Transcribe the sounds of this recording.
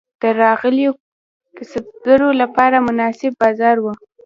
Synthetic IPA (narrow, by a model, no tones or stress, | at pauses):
d̪̥əɾɑɣəljo | kɪsab̚d̪əɾolapɑɾamʊnɑsɪbːɑzɑɾwu